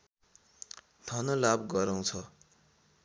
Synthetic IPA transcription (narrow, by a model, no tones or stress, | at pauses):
t̪ʰʌnʌlabɡʌɾaw̃t͡sʰʌ